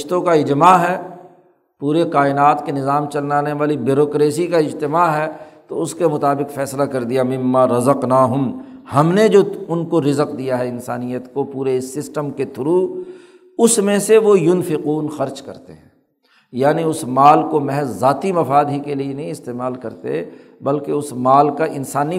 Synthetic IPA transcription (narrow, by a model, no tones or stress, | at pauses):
ɪʃt̪õkaɪd͡ʒmaːɦɛː | puːɾeqaːɪnaːt̪kenɪzaːmt͡ʃɐlnaːneʋaːlibɪɾoːkɾeːsikaɪd͡ʒt̪ɪmaːɦɛt̪oʊskemʊt̪aːbɪqfɛːslakɐɾd̪ijamɪ̃mːaːɾɐzəqnaːɦʊmhɐmned͡ʒoːʊnkoɾɪzəqd̪ijaɦɛɪnsa̰ːnijət̪kopuːɾesːɪsʈəmket̪ʰʊɾu | ʊsmẽseʋojʊnfɪquːnxɐɾd͡ʒkɐ̰ɾt̪ḛɦɛ̃ː | jaːniʊsmaːlkomɛɦɛzːaːt̪imɐfaːd̪ɦikelienɐɦĩɪst̪eːmaːlkɐɾt̪ḛ | bɐlkeʊsmaːlkaʔɪnsaːni